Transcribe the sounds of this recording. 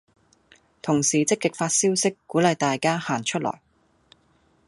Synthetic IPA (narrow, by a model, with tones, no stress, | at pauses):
t̪ʰʊ˨˩ŋsiː˨t͡sɪ˥kːɪ˨k̚faː˧t̚siː˥wsɪ˥kːuː˨˥lɐ˨jt̪aː˨jkaː˥haː˨˩nt͡ʃʰɵ˥t̚lɔ̰˨˩j